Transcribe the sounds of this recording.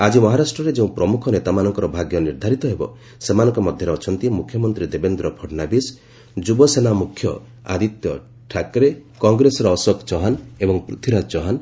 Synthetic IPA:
ad͡ʒimɔɦaɾasʈɾɔɾed͡ʒeũpɾɔmukʰɔnet̪amanɔŋkɔɾɔbʱaɡjɔniɾd̪ʱaɾit̪ɔɦebɔ̰ | semanɔŋkɔmɔd̪ʱjɔɾeɔt͡ʃʰɔnt̪imukʰːjɔmɔnt̪ɾid̪ebend̪ɾɔpʰɔɾnabis | d͡ʒubɔsenamukʰːjɔ | a̰d̪it̪jɔ | ʈʰakɾekɔŋɡɾesɔɾɔːsɔkt͡ʃɔɦanebɔŋpɾut̪ʰiɾat͡ʃɔɦan

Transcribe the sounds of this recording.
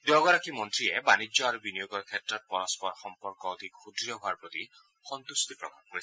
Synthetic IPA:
dɔɡɔɹakʰimɔntɹiɛbanid͡ʒjɔaɾubinijoɡɔɹkʰɛtɹɔt̚pɔɹɔspɔɹxɔmpɔɹkɔɔd̪ʱikxudɹijɔɦʊaɹpɹɔt̪i | xɔnt̪ustipɹɔkapkoɹiɛ

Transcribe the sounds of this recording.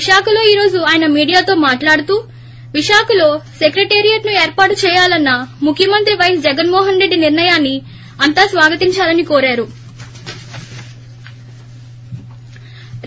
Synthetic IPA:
ʋiʂaːkɐlo̞ːiːɾo̞ːd͡ʒuaːjɐnɐmiːɽijaːt̪o̞ːmaːʈlaːɽut̪uː | ʋiʂaːkɐlo̞ːsekɾeʈeːɾijɐʈnueːɾpaːʈt͡ʃɛːjaːlɐnːɐmukʰːjɐmɐnt̪ɾiʋɐjɐsd͡ʒɛɡɐnmɔːɦɐnɾe̞ɖːiniɾɳɐjaːnːi | ɐnt̪aːsʋaːɡɐt̪iɲt͡ʃaːlɐnikoːɾaːɾu

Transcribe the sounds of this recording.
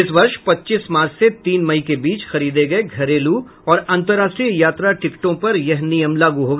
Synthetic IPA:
ɪsʋɐɾʃpɐtːt͡ʃismaːɾt͡ʃʰset̪iːnmɐikebiːt͡ʃxɐɾiːd̪eɡɐeɡʱɐɾeːlu | ɔːɾɐ̃nt̪əɾaːsʈɾijaːt̪ɾaʈɪkʈõpɐɾjɐɦnɪjəmlaːɡuɦoːɡ

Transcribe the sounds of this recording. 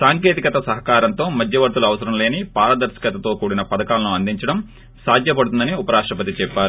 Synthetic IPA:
saːŋke̞ːt̪ikɐt̪ɐsɐɦɐkaːɾɐnt̪o̞ːmɐd̪ʱjɐʋɐɾt̪uluɐʋɐsɐɾɐmle̞ːnipaːɾɐd̪ɐɾsi̥kɐt̪ɐt̪o̞ːkuːɽinɐpɐd̪ɐkaːlɐnuɐnd̪iɲt͡ʃɐɽɐm | saːd̪ʱjɐpɐɽut̪und̪ɐniupɐɾaːʂʈɾɐpɐt̪it͡ʃɛpːaːɾu

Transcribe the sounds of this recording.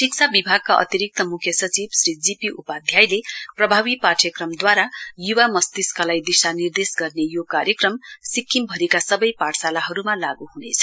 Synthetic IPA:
ʈik̚sʰabibʱaɡ̚kaʔʌ̰t̪iɾik̚t̪ʌmukʰjʌsʌt͡sibsɾid͡zipiʔupad̪ʱjajleprʌbʱabipaʈʰjʌkrʌmd̪waɾajuwamʌst̪iskʌlajd̪isanird̪esɡʌrnejokaɾjʌkrʌmsikʰːimbʱʌɾikasʌbʌjpaʈsalaɦʌɾumalaɡuɦunet͡sʰʌ̥

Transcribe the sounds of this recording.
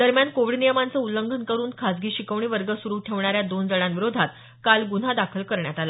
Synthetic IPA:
d̪əɾmjankoʋiɖnijəmant͡səuləŋɡʱənkəɾuːnkʰad͡zɡiːɕikəʋɳiːʋəɾɡəsuɾuːʈʰeʋɳaɾjad̪ond͡zəɽãnʋiɾod̪ʱat̪ | kalɡun̤ad̪akʰəlkəɾɳjat̪ala

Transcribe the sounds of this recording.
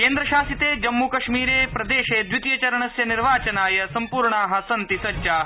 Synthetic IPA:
keːnd̪ɾɐʃaːsit̪eːd͡ʒɐmːukɐʃmiːɾeːpɾɐd̪eːʃeːd̪jut̪ijɐt͡ʃɐɾɐɳɐsjɐniɾʋaːt͡ʃɐnaːjɐsɐmpuːɾɳaːɦɐsɐnt̪isɐt͡ʃa

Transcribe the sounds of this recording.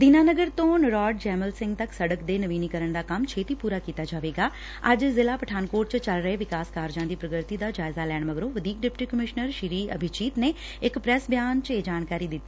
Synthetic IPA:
d̪iːnaːnəɡəɾt̪õːnəɾɔːɖd͡ʒɛːməlsɪ̃ŋɡt̪əksəɽəkd̪eːnəʋiːnikəɾəɳd̪aːkəmt͡ʃʰeːt̪iːpuːɾaːkiːt̪aːd͡ʒaːʋeːɡaː | əd͡ʒzɪlaːpəʈʰaːnkoːʈt͡ʃt͡ʃəlɾəeːʋɪkaːskaːɾd͡ʒãːd̪iːpɾəɡəɾt̪iːd̪aːd͡ʒaːɪzaːlɛːɳ̃məɡɾõːʋəd̪iːk̚ɖɪpʈiːkəmɪʃnəɾʃɪɾiːə̰bʱɪt͡ʃiːt̪neː | ɪkpɾɛsbjaːnt͡ʃeːd͡ʒaːnkaːɾiːd̪ɪt̪ːiː

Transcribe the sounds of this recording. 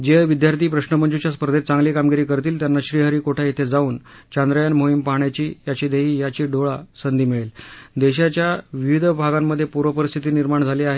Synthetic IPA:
d͡ʑeʋid̪jaɾt̪ʰiːpɾəɕnəməɳd͡ʑut͡ɕjaspəɾd̪et͡sãŋɡliːkamɡiɾiːkəɾt̪iːlt̪janːaɕɾiːɦəɾiːkoʈʰait̪ʰed͡zauːnt͡ɕand̪ɾəjanmoɦimpaɦɳjat͡ɕiːjat͡ɕiːd̪eɦiːjat͡ɕiːɖʱoɭasənd̪iːmiɭeld̪eɕ̬at͡ɕjaʋiʋid̪ʱəbʱaɡamːəd̪ʱːjepuɾʋəpəɾist̪ʰit̪iːniɾmaɳd͡zʱaliːaɦe

